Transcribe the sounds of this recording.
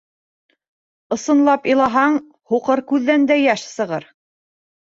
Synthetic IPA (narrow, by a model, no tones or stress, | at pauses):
ɤ̆sɤ̆nlˠɑpɤ̆lˠɑɦɑɴ | huqɤɾkʉðːænd̪æjæʃsɤ̆ʁɤɾ